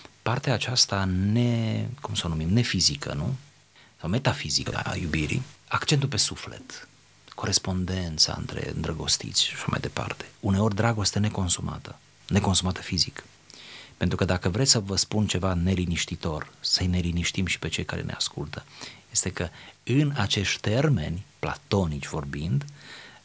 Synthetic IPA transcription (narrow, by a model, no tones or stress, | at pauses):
part̪eaːt͡ʃast̪anekumsonumimne̞fizikʰə̰nu | sawme̞t̪afizikəə̰a̰jubiɾḭakt͡ʃe̞nt̪upe̞sufle̞̰t̪ | ko̞ɾe̞spo̞nd̪e̞nt̪sa̰ɨ̰nt̪ɾe̞̰ɨnd̪ɾəɡo̞̰st̪ḭt̪sʲʃḁʃama̰jd̪e̞pa̰rt̪e̥une̞o̞rʲd̪ɾaɡo̞st̪ene̞ko̞nsuma̰t̪ə | ne̞ko̞nsumat̪ə̥fizik | pent̪ɾukəd̪akəvɾe̞t͡s̪ʲsəvəspunt͡ʃe̞vane̞liniʃt̪it̪o̞rsəjne̞liniʃt̪imʃi̥pe̞t͡ʃe̞jkaɾḛnḛaskult̪ʰəje̞st̪e̞kəɨnat͡ʃe̞ʃt̪ʲt̪e̞rme̞̰nʲpla̰t̪o̞nit͡ʃʲvo̞rbind̪